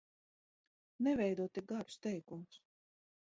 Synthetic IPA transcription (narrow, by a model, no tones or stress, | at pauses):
nɛvʲɛjd̪uɔt̪iɡaɾu̥st̪ɛjkums